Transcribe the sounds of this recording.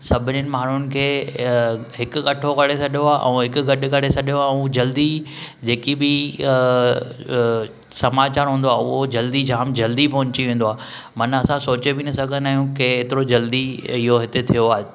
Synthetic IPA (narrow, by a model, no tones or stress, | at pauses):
sɐbʱɪnɪnɪ̆maːɽ̤ʊnɪ̆kʰeː | ɦɪkʊ̆ɠɐʈʰokɐɽesɐɗjoaːʔɛ̰̃ũɦɪkʊ̆ɡɐɗɪ̆kɐɽesɐɗijoaːɛũd͡ʑɐld̪i | d͡ʑeːkibɪ | sɐmaːt͡ɕaːɾɦũːn̆d̪oaːʊɦod͡ʑɐld̪id͡ʑʱaːmd͡ʑɐld̪ipɐɦʊ̃ɲt͡ɕiʋẽːn̆d̪oaː | mɐnɐsãsoːt͡ɕebɪnɐsɐɡʱənaːɦjũkeːt̪ɪɾod͡ʑɐld̪iɪɦoɦɪt̪et̪ʰijoaːɦe